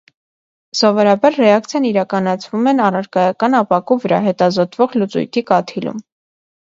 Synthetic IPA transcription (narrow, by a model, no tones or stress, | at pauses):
sɔvɔɾɑbɑɾrɛɑk̚t͡sʰjɑniɾɑkɑnɑt͡sʰvumɛnɑrɑɾkɑjɑkɑnɑpɑkuvəɾɑ̰ɦɛt̪ɑzɔt̪vɔʁlut͡sṵjt̪ʰikɑt̪ʰilṵm